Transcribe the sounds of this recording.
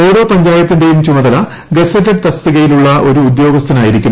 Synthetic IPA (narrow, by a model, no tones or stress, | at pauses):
o̞ːɾo̞ːpɐɲd͡ʑaːjɐt̪ːindejumt͡ɕumɐðɐlɐ | ɡesɐʈːɐʈ̚t̪ɐst̪iɣɐjiluɭːɐʔo̞ɾuːd̪jo̞ːɡɐst̪ʰɐnaːjiɾikʲːum